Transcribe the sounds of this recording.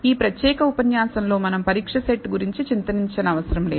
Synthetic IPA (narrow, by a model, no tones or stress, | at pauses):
iːpɾɐt̪jɛːkɐupɐnjaːsɐnlo̞ːmɐnɐmpɐɾiːkʂɐseʈːɡuɾiɲt͡ʃit͡ʃint̪ɐniɲt͡ʃɐnɐɐʋɐsɐɾɐmle̞ː